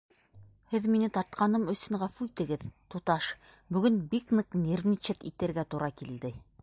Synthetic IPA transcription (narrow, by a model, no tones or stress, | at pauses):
hɘðminɘt̪ɑɾt̪̚qɑnɤmɵ̆sɵŋʁɑfuit̪ɘ̆ɡɘðt̪ut̪ɑʃ | bɵ̆ɡɵnbiknɤqnʲeɾnʲit͡ʃɘt̪it̪ɘ̆ɾɡæt̪uɾʔɑkild̪ɘ